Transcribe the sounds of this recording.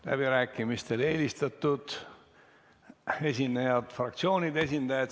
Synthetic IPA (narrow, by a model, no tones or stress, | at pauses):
læ̰b̥iɾæːkːˑimist̪e̞le̞ːlist̪ɑt̪ːˑud̪̥ | e̞sʲinːejɑd̪̥frɑk̚t̪sio̞ːnʲid̪̥e̞s̬ʲind̪̥ɑjɑt̪